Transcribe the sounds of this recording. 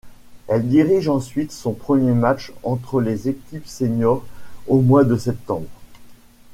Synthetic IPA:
ɛld̪iʁiʒɑ̃sɥit̪sɔ̃pχəmjemat͡ʃɑ̃t̪χəlezekʲipseɲɔʁomwad̪əsɛp̚t̪ɑ̃bʁ

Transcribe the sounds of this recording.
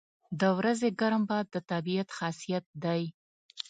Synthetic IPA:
d̪əwɾazeɡaɾambɑd̪ːət̪abiat̪xɑsijat̪̚d̪aj

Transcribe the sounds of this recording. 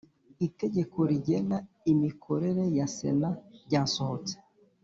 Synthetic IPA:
ite̞ɟe̞ko̞ɾiɟe̞na | imikʰo̞ɾe̞ɾe̞jasḛnaɾɟaːso̞ho̞t͡se̥

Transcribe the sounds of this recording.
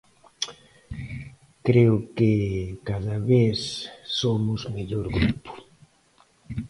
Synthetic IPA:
kɾeʊkekaðaβeθsomʊzmeʎoɾɣɾupʊ̥

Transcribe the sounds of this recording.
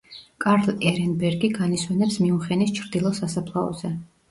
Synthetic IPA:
kʼaɾlɛɾɛnbɛɾɡiɡaniswɛnɛpsmiuχɛnist͡ʃʰɾd̪ilˠɔsasapʰlˠaɔ̰zɛ

